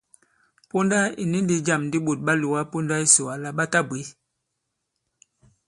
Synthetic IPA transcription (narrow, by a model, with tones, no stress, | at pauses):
po˦nda˦i˨ni˦ndi˦d͡ʒa˦˨mndi˦ɓo˨t̚ɓa˦lu˨wa˦po˦nda˦i˦so˨wa˨la˦ɓa˦ta˦bi˨˦